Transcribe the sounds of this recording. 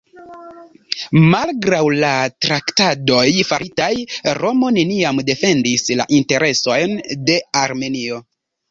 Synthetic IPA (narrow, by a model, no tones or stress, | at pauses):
malɡɾawlatɾaktado̞jfaɾʔitajɾo̞mo̞ne̞niamde̞fe̞ndisla̰ʔinte̞ɾʔe̞so̞jnde̞aɾme̞nio